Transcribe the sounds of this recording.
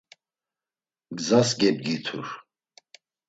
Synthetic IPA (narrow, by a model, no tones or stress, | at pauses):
ɡzasɡɛb̚ɡit̪ʰuɾ